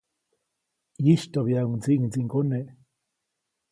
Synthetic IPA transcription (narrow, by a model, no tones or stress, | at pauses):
jiʃt̪oβiaunt͡siʔŋt͡siŋkoneʔ